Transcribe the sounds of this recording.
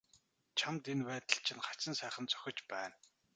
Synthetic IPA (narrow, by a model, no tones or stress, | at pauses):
t͡ɕʰamt̪enpæːt̪ə̆ɬt͡ɕʰɪnχḁt͡ɕɪ̆nsæːχə̆nt͡sœ̥xʲɪ̆t͡ɕpæːn